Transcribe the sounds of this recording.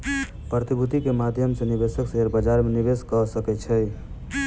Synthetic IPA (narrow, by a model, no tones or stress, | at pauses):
pɾət̪ibʱut̪ikemad̪ʱjəmsenibesəkseɦeɾbəd͡ʒaɾmenibeskəsəkɛt̪t͡ʃʰəj